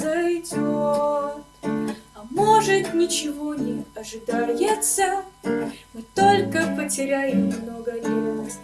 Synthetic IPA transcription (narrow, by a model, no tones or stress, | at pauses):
zɐjdʲot̪ɐmo̞ʐɨt̪nʲɪt͡ɕɪvo̞nʲɪɐʐɨd̪ajɪt̪sə | mɨt̪olʲkəpətʲɪɾʲæjɪmːnoɡəlʲeəsʲ